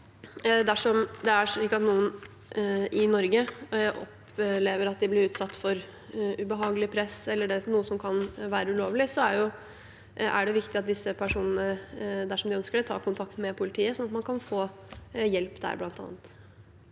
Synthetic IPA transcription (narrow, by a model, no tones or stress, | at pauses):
d̪æʂɔmd̪ɛæɾʂɭiːkːɑt̪nuːən | ʔɪnɔɾɡəʔɔ̰p | leːʋəɾɑt̪̚d̪ɪblɪɾʉːt̪sɑt̪ːfɔɾ | ʉbəɦɑːɡəlɪpʰɾɛsɛlːəɖɛnuːəsɔmkʰɑnʋæːɾəʉloːʋlɪsɔæɾjʊ | æ̰ɖɛʋɪkt̪ɪɑt̪̚d̪ɪsːəpʰæʂuːnənəd̪æʂɔmd̪ɪœnskəɖɛt̪ʰɑ̰ːkʊnt̪ʰɑkt̪mɛpʰʊlɪt̪ʰiːəsɔnɑt̪mɑnkʰɑnfoː | jɛlpd̪æ̰ɾblɑnt̪ɑ̰ːnət̪